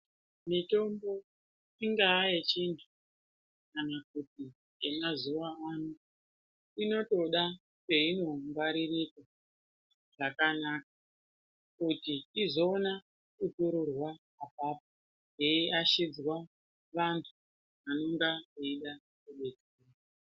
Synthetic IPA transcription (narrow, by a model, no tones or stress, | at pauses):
mito̞mbo̞ | iŋɡaːjet͡ʃintʰu | kanak̚uti | emazuʋaanu | ino̞to̞ɗa | ke̞ino̞ŋɡaɾirika | ʐ̥akanak̚a | kutiizo̞ːna | kutuɾurwaː | papo | eiaʃid͡zwa | ʋantʰu | ʋano̞ŋɡaiɗa | kuɓed͡zeeːa